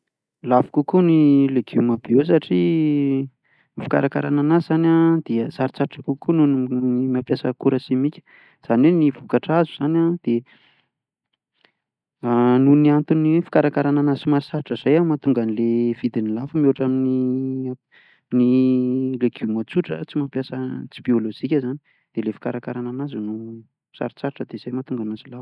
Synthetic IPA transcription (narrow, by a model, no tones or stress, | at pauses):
lav̥kukunileɡ̥umabees̬aʈ͡ʂi | ifi̥ka̰ɾakaɾananazanad̪̥iəsaɾit͡saɾiʈ͡ʂəkukununmapjasəkuɾəsimikʲə̥ | z̥anenivukaʈ͡ʂazuz̥anad̪̥e | nuniant̪unifi̥kaɾakaɾananazimaɾisaɾiʈ͡ʂəz̥ajamat̪uŋɡanilev̥id̪inilafəmuaʈ͡ʂamini | nilekʰumot͡suʈ͡ʂə̰t͡simapjasət͡sibiolod͡ʒikʲəzani | d̪̥elefi̥kaɾakaɾananazunu | sa̰ɾit͡saɾiʈ͡ʂəd̪ez̥ajmat̪uŋɡanazilaf